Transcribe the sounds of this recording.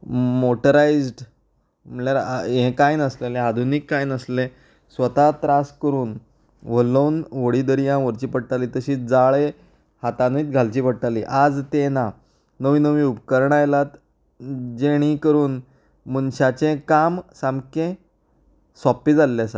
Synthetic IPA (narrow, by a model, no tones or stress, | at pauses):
moʈəɾaid͡zɖ | məlaɾẽkajinəslelead̪ʱunikːainəsle | sʋət̪at̪ɾaskəɾuːn | ʋ̤ələwnʋəɽiːd̪əɾijãʋəɾt͡ɕiːpəɽ̚ʈ̪aliːt̪əɕiːd͡zaɭe | hat̪anəit̪̚ɡʱalt͡ɕiːpəɽ̚ʈ̪alḭʔad͡zt̪ena | nəʋiːnəʋĩːupkəɾɳajlat̪ | d͡ʑeɽ̃ikəɾuːn | mənɕat͡ɕẽkamsamkẽ | sɔpiːd͡zalːesa